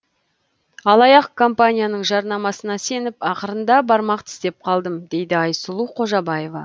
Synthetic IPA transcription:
ɑlˠɑjɑq̚kʰo̞mpanʲijanəɴʒɑɾnɑmɑsənɑse̞nɪpɑqəɾənd̪ɑbɑɾmɑqt̪ʰɪ̥st̪e̞p̚qʰɑlˠd̪əmd̪e̞jd̪ɪɑjsəlˠuqʰo̞ʒɑbɑje̞vɑ̰

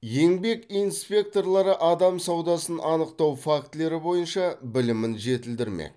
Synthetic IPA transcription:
je̞ŋbe̞kijnspʲe̞k̚t̪o̞ɾlˠɑɾəʔɑd̪ɑmsɑwd̪ɑsənʔɑnəqt̪ɑwfakt̪le̞ɾɪbo̞jənʃɑbɪlɪmɪnʒe̞t̪ɪld̪ɪɾmḛ

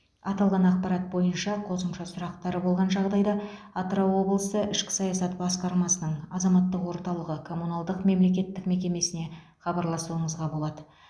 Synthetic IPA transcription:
ɑt̪ɑlˠʁɑnɑqpɑɾɑt̪̚bo̞jənʃɑqʰo̞səmʃɑsʊɾɑqt̪ɑɾəbo̞lˠʁɑnʒɑʁd̪ɑjd̪ɑ | ɑt̪ɾowo̞blˠəsəʔɪʃkʲɪ̥sɑjɑsɑt̪bɑsqɑɾmɑsənəɴɑzɑmɑt̪ːəqwo̞ɾt̪ɑlˠəʁəkʰo̞munɑlˠd̪əqme̞mle̞kʲe̞t̪ːɪkme̞kʲe̞me̞sɪne̞ | χɑbɑɾlˠɑsuəɴəzʁɑbo̞lˠɑd̪ə

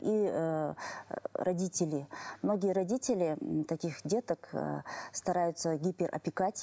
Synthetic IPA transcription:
i | rʔɐdʲitʲɪlʲɪmno̞ɡʲɪjəɾɐdʲitʲɪlʲɪt̪ɐkʲixdʲe̞t̪əkst̪ɐɾajʊt̪səɡʲipʲɪrʔɐ̰pʲɪkatʲ

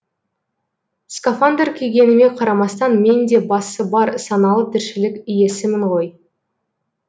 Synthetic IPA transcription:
skafand̪eɾkʲʰe̞ɡʲe̞nɪme̞qʰɑɾɑmɑst̪ɑnme̞nd̪e̞bɑsəbɑɾsɑnɑlˠət̪ʰɪɾʃɪlɪkʲʏje̞sɪmɪɴʁo̞j

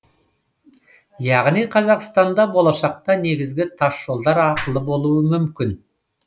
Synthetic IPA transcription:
jɑʁnijqʰɑzɑqst̪ɑnd̪ɑbo̞lˠɑʃɑq̚t̪ɑne̞ɡʲɪzɡʲɪt̪ʰɑʃːo̞lˠd̪ɑɾɑqəlˠəbo̞lˠuəmʏmkʲɪn

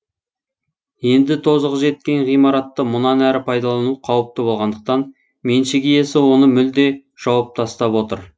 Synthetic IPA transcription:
je̞nd̪ɪt̪ʰo̞zəʁəʒe̞t̪̚kʲe̞nʁijmɑɾɑt̪ːəmʊnɑnæɾɪpʰɑjd̪ɑlˠɑnuqʰɑwəp̚t̪əbo̞lˠʁɑnd̪əq̚t̪ɑn | me̞nʃɪɡʲije̞sɪwo̞nəmʏld̪e̞ʒ̥ɑwɑp̚t̪ʰɑst̪ɑpwo̞t̪əɾ

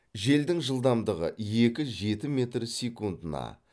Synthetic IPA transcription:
ʒe̞ld̪ɪŋʒəlˠd̪ɑmd̪əʁə̰je̞kʲɪʒe̞t̪ɪme̞t̪rsʲekund̪ənɑ̰

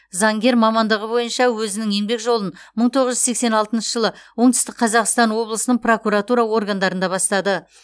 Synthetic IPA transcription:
zɑŋɡʲe̞ɾmɑmɑnd̪əʁəbo̞jənʃɑwɵzɪnɪŋe̞ŋbe̞kʒo̞lˠən | məɴt̪ʰo̞ʁəʒʏzse̞kse̞nɑlˠt̪ənʃəʒəlˠəwo̞ɴt̪ʰʏ̥st̪ɪk̚qʰɑzɑqst̪ɑnwo̞blˠəsənəɴpro̞kuɾat̪uɾɑwo̞rɡand̪ɑɾənd̪ɑβɑst̪ɑd̪ə

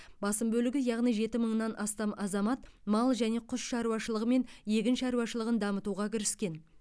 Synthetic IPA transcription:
bɑsəmbɵlɪɡʲɪjɑʁnijʒe̞t̪ɪməɴnɑnʔɑst̪ɑmɑzɑmɑt̪mɑlˠʒæne̞qʰʊsʃɑɾuwɑʃəlˠəʁəme̞nje̞kʲɪnʃɑɾuwɑʃəlˠəʁənd̪ɑmət̪uʁɑkʲʰɪɾɪskʲe̞n

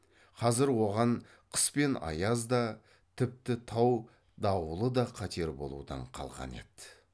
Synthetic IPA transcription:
qʰɑzɪɾwo̞ʁɑɴ | qʰə̥spe̞nɑ̰jɑzd̪ɑ | t̪ʰɪp̚t̪ɪt̪ʰɑw | d̪ɑwlˠəd̪ɑqʰɑt̪ʰe̞ɾbo̞̰lˠṵd̪ɑ̰ɴqʰɑ̰lˠʁɑ̰ne̞̰d̪̥ɪ

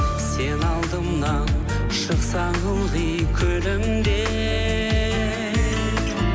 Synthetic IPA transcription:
se̞nɑlˠd̪əmnɑn | ʃəqsɑɴəlˠʁəjkʲʰɵlɪm | d̪e

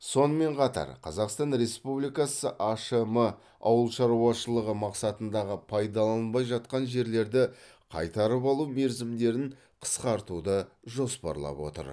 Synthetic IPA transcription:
so̞nəme̞ɴqʰɑt̪ɑ̰ɾqʰɑzɑqst̪ɑnɾe̞spublijkɑsəʔaʃemə | ɑ̰wəlˠʃɑɾuwɑʃəlˠəʁəmɑqsɑt̪ənd̪ɑʁəpʰɑjd̪ɑlˠɑnnbɑjʒɑt̪̚qɑnʒe̞ɾle̞ɾd̪ɪ | qʰɑjt̪ɑɾəpɑlˠume̞ɾzɪmd̪e̞ɾɪɴ | qʰə̥sqɑɾt̪ud̪ə | ʒo̞spɑ̰ɾlˠɑ̰pwo̞̰t̪ə̰ɾ

